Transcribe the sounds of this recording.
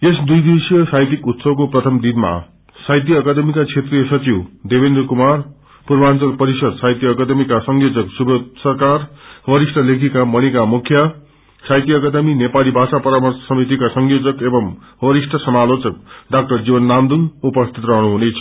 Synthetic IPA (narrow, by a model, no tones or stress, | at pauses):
esd̪ujd̪esijʌsajt̪ikut̪sʌbkoprʌt̪ʰʌmd̪inma̰ | sajt̪jʌːkad̪emikat͡sʰet̪rijʌsʌt͡siwd̪ebend̪rkumar | purbant͡sʌlpʌɾisʌd̪sajt̪jʌːkad̪emikasʌŋɡjod͡zʌksubʱʌd̪sʌrkarwʌɾisʈʰʌlekʰikamʌñikamukʰja | sajt̪ijʌːkad̪ʌminepalibʱasapʌɾamʌrssʌmit̪̬ikasʌŋjod͡zʌkebʌm | wʌɾisʈʰʌsʌmalot͡sʌk̚ɖak̚ʈʌrd͡zibʌnːamd̪uŋupʌst̪ʰit̪rʌɦnuɦunejt͡sʰʌ̥